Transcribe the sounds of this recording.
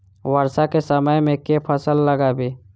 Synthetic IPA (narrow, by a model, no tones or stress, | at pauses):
wəɾsakesəməjmẽkepʰəsəlːəɡabeː